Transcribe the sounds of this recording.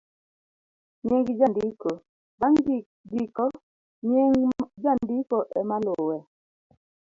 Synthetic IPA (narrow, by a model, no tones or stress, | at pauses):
ɲeŋɡid͡ʒandiko | baŋ | ɡikɔ | ɲeŋd͡ʒandikoʔɛmalʊwɛ